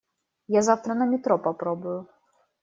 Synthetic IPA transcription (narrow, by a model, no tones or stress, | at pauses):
jazawt̪ɾɐnɐmʲit̪ɾɔpapɾɔbʊju